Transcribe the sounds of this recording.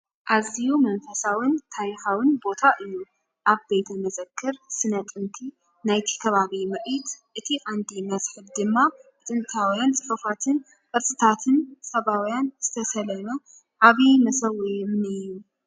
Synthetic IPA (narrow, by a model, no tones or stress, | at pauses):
ʔazijumɐnfɐsawɨnt̪ʰaɾixawɨnbo̞t̪ʰaʔɨjːu | ʔaβbe̞jt̪ʰɐmɐzɐkʰːɨɾsɨnɐt̪ʼɨnt̪ʰi | najt̪ʰi̥kʰɐβaβimɐʔit̪ʔɨt̪ʰiʔʼand̪imɐsħɨd̪̚d̪ɨmːaɨt̪ʼɨnt̪ʰawijant͡sʼɨfɐfat̪ʰɨn | kʼɨɾt͡sʼɨt̪ʰat̪ʰɨnsʼɐβawjanz̥ɨt̪ʰɐsɐlɐnɐ | ʔaβimɐsɐwɐjɛmnɨjum